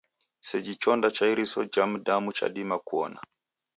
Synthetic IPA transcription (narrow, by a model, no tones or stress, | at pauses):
set͡ʃit͡ʃondat͡ʃaiɾisod͡ʒamudamut͡ʃa̰ɗimakuɔ̰na̰